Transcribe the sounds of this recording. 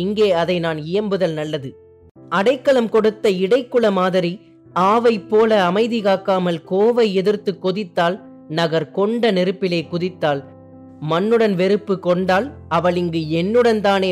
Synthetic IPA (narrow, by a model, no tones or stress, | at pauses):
ɪŋɡeːɐðɐɪnaːnɪjɐmbɯðɐlnɐlːɐðɯ | ɐɽɐɪkːɐɭɐmkɔɽɯt̪ːɐɪɽɐɪkːɯɭɐmaːðɐɾi | aːʋɐɪpːoːlɐːmɐɪðɪɣaːkːaːmɐlkoːʋɐɪɛðɪɾt̪ːɯkːɔðɪt̪ːaːl | nɐɣɐɾkɔɳɖɐnɛɾɯpːɪleːkʊðɪt̪ːaːl | mɐnːɯɽɐnʋɛɾɯpːɯkɔɳɖaːlɐʋɐɭɪŋɡɯɛnːɯɽɐnt̪aːneː